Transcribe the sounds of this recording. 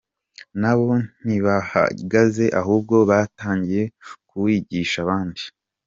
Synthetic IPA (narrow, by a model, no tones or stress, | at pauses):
naβo̞n̥iβaha̰ɡaze̞ʔaɦuːb̚ɡo̞βataːɲɟije̞kuwiɟiːʃaβaːndi